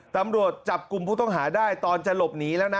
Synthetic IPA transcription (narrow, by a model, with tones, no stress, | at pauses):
t̪a˨˩˦mɾu˨˩ət̪̚t͡ɕa˨˩p̚ku˧mpʰuː˥˩t̪ɔ˥˩ŋɦaː˩˦daː˥˩jt̪ɔː˧nt͡ɕa˨˧lo˨˩p̚niː˦˥lɛː˦˥wna˦˥